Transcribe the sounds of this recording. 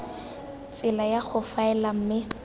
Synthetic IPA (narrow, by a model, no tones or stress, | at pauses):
t͡sʼɪlajak͡xʰʊfaɛlam̩mɪ